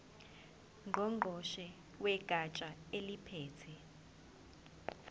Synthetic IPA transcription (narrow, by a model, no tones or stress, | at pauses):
ŋʱɔŋ͡ǃʱɔʃɛ | wɛɡ̥ʱat͡ʃʼaelipʰɛːtʰɛ